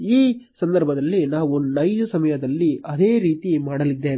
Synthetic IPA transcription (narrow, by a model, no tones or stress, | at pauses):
iːsɐnd̪ɐɾbʱɐd̪ɐlːinaːʋunɐjd͡ʒusɐmɐjɐd̪ɐlːiɐd̪eːɾiːt̪imaːɽɐlid̪ːeː